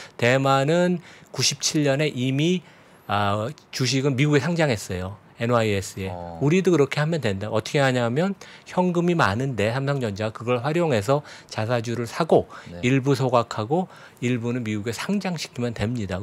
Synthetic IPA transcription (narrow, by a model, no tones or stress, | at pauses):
te̞manɯnkuɕʰip̚t͡ɕʰiʎːʌne̞ʔimi | at͡ɕuɕ̬ʰiɡɯnmiɡuɡe̞sʰaŋd͡ʑaŋɦe̞s͈ʌjo | e̞nwaies͈ʰɯe̞uɾidokɯɾʌkʰe̞hamjʌndwe̞ndaʔʌtʰʌkʰe̞aɲamjʌnçjʌŋɡɯmimanɯnde̞sʰamsʰʌŋd͡ʑʌnd͡ʑaɡakɯɡʌɭɸwaɾjoŋɦe̞s̬ʰʌt͡ɕas̬ʰad͡ʑuɾɯɭsʰaɡoiɭbusʰoɡakʰaɡo | iɭbunɯnmiɡuɡe̞sʰaŋd͡ʑaŋɕʰi̥kʰimjʌntwe̞mɲida